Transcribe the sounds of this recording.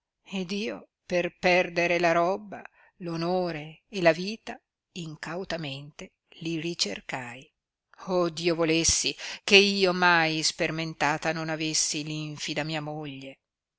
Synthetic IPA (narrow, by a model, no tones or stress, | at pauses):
ed̪iːo | perpɛrd̪eɾelaɾɔbːa | lonoːɾeelaviːt̪a | iŋkawt̪ament̪e | lirit͡ʃerkaj | ɔd̪iːovolesːikeiːomajsperment̪aːt̪anonavesːiliɱfid̪amiːamoʎːe